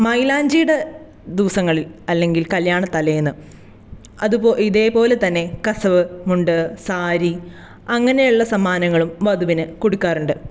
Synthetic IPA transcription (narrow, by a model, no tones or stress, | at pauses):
mɐjlaːɲd͡ʑijuɽe̞ | d̪iʋɐsɐŋːɐɭilɐlːe̞ŋɡilkɐljaːɳɐt̪ːɐlɐjunːɨ | ɐðupoːiðe̞ːpo̞ːle̞t̪ɐnːe̞kɐsɐʋɨmuɳɖɨsaːɾi | ɐŋːɐne̞juɭːɐsɐmːaːnɐŋːɐɭumʋɐd̪uʋinɨkoɽukːaːruɳɖɨ